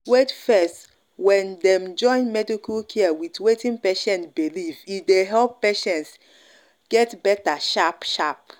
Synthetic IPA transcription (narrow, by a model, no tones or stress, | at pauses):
wetfɛst | wɛ̃ndɛ̃md͡ʒɔ̃ɪ̃nmɛdikulkʰɛawitwetĩnpeʃɛ̃ntbilivideɦɛlpːeʃɛ̃nts | ɡ̥ɛtbɛtaʃapʃap̚